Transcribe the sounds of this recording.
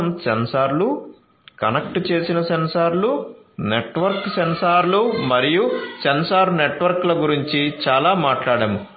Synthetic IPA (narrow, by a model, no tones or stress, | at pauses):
msensaːɾlu | kɐnɐk̚ʈt͡ʃe̞ːsinɐsensaːɾlu | neʈʋɐɾksensaːɾlumɐɾijusensaːɾneʈʋɐɾklɐɡuɾiɲt͡ʃit͡ʃaːlaːmaːʈlaːɽɐmu